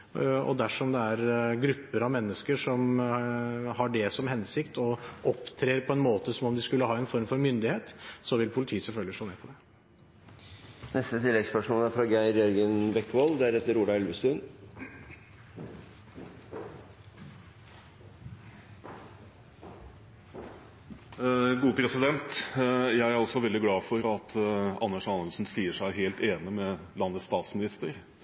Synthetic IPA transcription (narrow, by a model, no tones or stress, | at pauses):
ɔ̰d̪æʂɔmd̪ɛæɾɡɾʉpːəɾɑʋmɛnːəskəʂɔm | hɑɖɛsɔmhɛnsɪkt̪ɔʔɔpːt̪ʰɾeːɾpʰɔɛnmoːt̪əsɔmɔmd̪ɪskʉlːəhɑːɛnfɔɾmfɔɾmʏnd̪ɪheːt̪sɔʋɪlpʰʊlɪt̪ʰiːəsɛlfœlɡlɪʂɭoːneːpʰɔd̪ɛ | nɛst̪ət̪ʰɪlːɛɡspœʂmoːlæɾfɾɑɡæɪɾɪɔɾɡənbɛkːʋɔld̪ɛæɾɛt̪ːəɾuːɖɑɛlʋəst̪ʉːn | ɡuːəpʰɾɛsɪd̪ɛnt̪jæɪæɾɔsɔʋɛld̪ɪɡlɑːfɔɾɑt̪ʰɑnːəʂɑnəlsn̩siːəʂæɪɦeːlt̪eːnɪmɛ | lɑnːət̪st̪ɑːt̪smɪnɪst̪əɾ